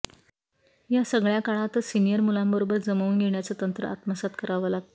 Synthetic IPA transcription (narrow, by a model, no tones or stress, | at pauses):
jasəɡɭjakaɭat̪sinijəɾmulambəɾobəɾd͡zəməuːnɡʱeɳjat͡sət̪ənt̪ɾə̰ʔa̰t̪məsat̪kəɾaʋəlaɡ̚t̪